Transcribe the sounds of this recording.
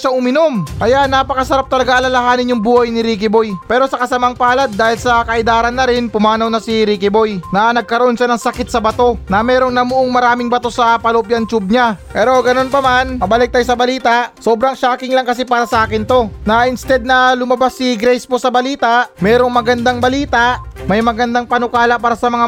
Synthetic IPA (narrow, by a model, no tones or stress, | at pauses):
ʃaʔʊmɪno̞mkɐjaʔnapɐkɐsɐɾap̚t̪ɐlɐɡaʔɐlɐlɐɦaːnɪnʊŋbuːhɐjnɪɾiːk̬ɪbo̞jpɛːɾo̞sɐkɐsɐmaŋpaːlɐd̪̚ːaːhɪlsɐkɐʔɪd̪aːɾɐnːɐɾɪnpʊmaːnɐwnɐsiɾiːkɪbo̞jnɐnɐɡ̚kɐɾoʔo̞nʃanɐŋsɐkɪt̪̚sɐbɐt̪o̞nɐmɛːɾo̞ŋnɐmuʔoŋmɐɾaːmɪŋbɐt̪o̞sɐpɐlop̬jɐnt͡ʃub̚ɲapɛːɾo̞ɡɐno̞npɐmanmɐbɐlɪk̚t̪ajosɐbɐliːt̪aʔso̞ːbɾɐŋʃaːkɪŋlɐŋkɐsipaːɾɐsɐʔaːkɪnt̪o̞nɐʔɪnst̪ɛd̪̚nɐlʊmɐbasːiɡɾɛjspo̞sɐbɐliːt̪ɐʔmɛːɾo̞ŋmɐɡɐnd̪aŋbɐliːt̪ɐʔmɐjmɐɡɐnd̪aŋpɐnokaːlɐpaːɾɐsɐmɐŋa